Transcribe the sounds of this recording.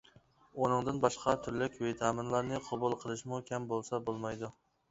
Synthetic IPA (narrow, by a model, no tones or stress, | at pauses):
onɨŋd̪ɨnbɑʃqʰɑt̪ʰyɾlɪkʲvet̪ʰɑːmɨnlˠɑɾnɨqʰobulˠqʰəlˠɨʃmukʲʰɛmbolˠsɑbolˠmɑjd̪u